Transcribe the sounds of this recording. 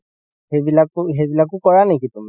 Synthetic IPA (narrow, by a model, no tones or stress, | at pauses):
hebilakɦebilakʊkɔɹanekit̪umi